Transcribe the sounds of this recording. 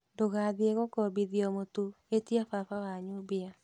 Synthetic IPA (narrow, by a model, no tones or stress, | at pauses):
doɣaðieɣɔkɔbiðiɔmotu | etiafafawaɲubea